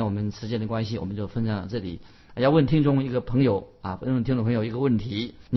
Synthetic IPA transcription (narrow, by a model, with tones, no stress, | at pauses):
wɔ˨˩mə˦nʂɻ̩˧˥t͡ɕjɛ˥nd̪ə˨˩kwa˥nɕi˨wɔ̰˨˩ə˦nt͡ɕjo˥˩ʊfə˥nɕjɑ˨˩ŋlə̰˧ʈ͡ʂɤ˥˩lḭ˨˩˦ | jɑ˥˧ʊwə˥˩nt̪ʰi˥ŋʈ͡ʂʊ˥ŋi˧˥ɡə˧pʰɤ˧˥ŋjo˨˩˦ʊa̰˧˩ə˥nwnt̪ʰi˥ŋd̪ə˧˩pʰɤ˧˥ŋjo˨˩ʊi˧˥ɡə˧wə˥˩nt̪ʰi˧˥n˨